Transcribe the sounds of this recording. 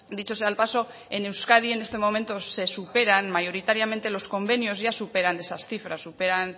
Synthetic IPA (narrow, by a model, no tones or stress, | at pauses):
d̪it͡ʃosealpaso̞ | e̞ne̞wskað̞ie̞ne̞st̪e̞mo̞me̞nt̪o̞se̞supe̞ɾanmajo̞ɾit̪aɾjament̪elo̞sko̞mbe̞nio̞zʝasupe̞ɾane̞sasθifɾasupe̞ɾan